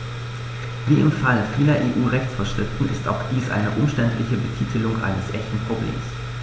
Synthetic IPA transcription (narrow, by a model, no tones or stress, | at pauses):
viːɪmfalfiːlɐʔeːʔuːʁɛçt͡sfɐʃʁ̥ɪftn̩ɪ̰sta̰ʊxd̥iːsʔa̰ɪnəʔʊmʃtɛntlɪçəbətʰiːtʰəlʊŋʔa̰ɪnəsʔɛçtn̩pʁ̥oblḛːms